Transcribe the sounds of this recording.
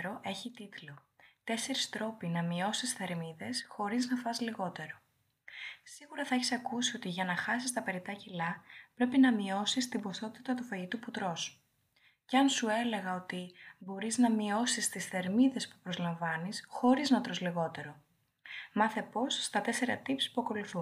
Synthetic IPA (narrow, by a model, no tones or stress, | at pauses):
ɾo̞ʔe̞çit̪it̪lo̞t̪e̞se̞ɾist̪ɾo̞pinɐmio̞sisθe̞ɾmiðe̞sxo̞ɾiznɐfɐzliɣo̞t̪e̞ɾo | siɣuɾɐθɐeçi̥sɐkusio̞t̪iʝɐnɐxɐsist̪ɐpe̞ɾit̪ɐcilɐpɾe̞pinɐmio̞sist̪ibo̞sθo̞t̪i̥t̪ɐt̪ufɐʝit̪uput̪ɾo̞s | ceɐnsue̞le̞ɣɐo̞t̪ibo̞ɾiznɐmio̞sist̪isθe̞ɾmiðe̞spu̥pɾo̞zlɐɱvɐnisxo̞ɾiznɐt̪ɾo̞zliɣo̞t̪e̞ɾo̞ | mɐθe̞po̞sːt̪ɐt̪e̞se̞ɾɐ̰t̪ipsi̥puɐko̞luθun